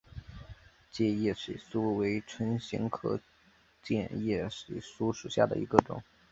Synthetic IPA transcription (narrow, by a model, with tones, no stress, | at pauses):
t͡ɕjɛ˥˧jɛ˥˩ʂḭ˨˩ɪsu˥we˧˥ɪʈ͡ʂʰwə˥nɕḭ˧˥ŋkʰɤ˥˧˩ | t͡ɕjɛ˥˧njɛ˥˩ʂi˨˩ɪsu˥ʂu˨˩ɕja̰˥˩d̪ə̰˩ʔi˧˥ɡə˧ʈ͡ʂʊ̰˨˩˦ŋ